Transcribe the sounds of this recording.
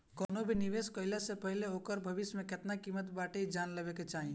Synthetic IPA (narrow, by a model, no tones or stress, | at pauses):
koːnobʱiniʋeskəɪlesepəɦileokəɾbʱəbismẽket̪nakiːmət̪baːʈeid͡ʒaːnləbeket͡ʃaːɦĩ